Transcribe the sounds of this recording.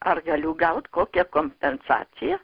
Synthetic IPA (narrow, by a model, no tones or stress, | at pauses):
ɐrɡɐlʲʊɡɐʊt̪koːkʲɛkoːmʲpʲɛnsɑ̰ːt͡sʲɪjɛ